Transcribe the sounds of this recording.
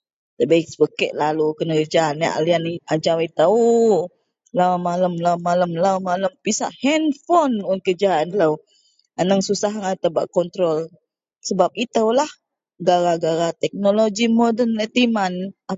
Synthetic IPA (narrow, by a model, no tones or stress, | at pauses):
t̪əbaksəbəkɛ̰ʔlalukənəkəd͡ʒaːna̰ʔa̰lianiad͡ʒawit̪au | lamaləmlamːaləmlamaləmpisa̰ʔhɛnfɔnɔnkəd͡ʒaanləw | anəŋsusaɦaŋat̪əba̰ʔkɔnt̪ɾɔl | səbap̚it̪əwlah | ɡaɾaɡaɾat̪ɛk̚nolod͡ʒimɔdənət̪imana